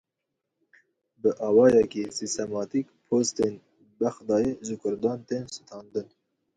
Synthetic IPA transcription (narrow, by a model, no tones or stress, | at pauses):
bəʔɑːwɑːjɛkisist̪ɛmɑːt̪ikpʰoːst̪en | bæxd̪ɑːjeʒɨkʰʊɾd̪ɑːnt̪eːnsɨ̥t̪ʰɑːnd̪ɨn